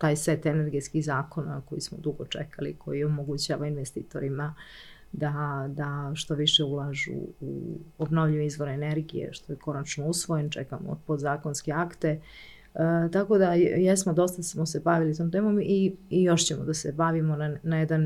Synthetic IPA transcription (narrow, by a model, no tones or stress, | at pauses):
t̪aːjse̞t̪ene̞ɾɡet̪skihzaːko̞na̰ko̞jismo̞̰d̪uɡo̰t͡ʂḛkalḭkʰo̞̰jio̞mo̞ɡut͡ɕaːʋainʋest̪ḭːt̪o̞̰ɾima | d̪ad̪aʃt̪o̞ʋiʃeulaːʒṵṵobno̞ʋʎiizʋo̞ɾeneɾɡijḛʃt̪o̞jeko̞nat͡ʃnousʋo̞jent͡ʃekamo̰pod̪zaːko̞nske̞akt̪e̞ | t̪ako̞d̪ajesmo̞d̪o̞st̪asmose̞baʋilit̪oːmt̪e̞ːmo̞mijo̞ʃt͡ɕemod̪asebaʋimo̞anajed̪an